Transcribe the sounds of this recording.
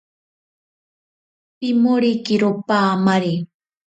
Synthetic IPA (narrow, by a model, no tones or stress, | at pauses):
pɪmʊɾikɪɾʊpaːmaɾi